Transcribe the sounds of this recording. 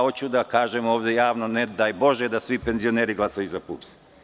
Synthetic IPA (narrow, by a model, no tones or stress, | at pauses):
ot͡ɕud̪akaːʒemoːʋd̪jejaːʋnoned̪ajbo̞ʒed̪asʋipenzio̞neːɾiɡlˠasajuzapṵːpsi̥